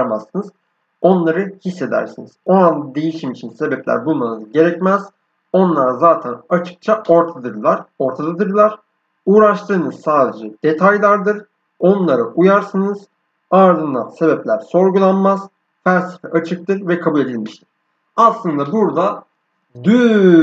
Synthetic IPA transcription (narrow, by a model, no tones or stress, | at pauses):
masːɯnɯz | o̞nlˠaɾɯhisːe̞d̪æ̰ɾsinizo̞and̪ad̪e̞jiʃimit͡ʃʰinse̞bɛplʲæ̰ɾbulˠmanɯzɟe̞ɾɛcmæz̥ | o̞nlˠaɾazaːt̪ʰænat͡ʃʰɯ̥k̚t͡ʃʰaʔoɾt̪ʰad̪ɯɾlˠaɾo̞ɾt̪ʰad̪ad̪ɯɾlˠaɾ̥ | uːɾaʃt̪ʰɯːnɯz̥saːd̪e̞d͡ʒɛd̪̥e̞t̪ʰajlʲˠaɾd̪ɯɾ | o̞nlˠaɾɯʔujaɾsɯnɯz̥ | aɾd̪ɯnd̪a̰nse̞bɛplʲæɾso̞ɾɡulˠanmaz̥ | fælʲse̥fɛʔat͡ʃʰɯk̚t̪ʰɯɾvɛkʰabulʲe̞d̪ilʲmiʃt̪ʰiɾ̥ | aslˠɯnd̪abuɾd̪a | d̪y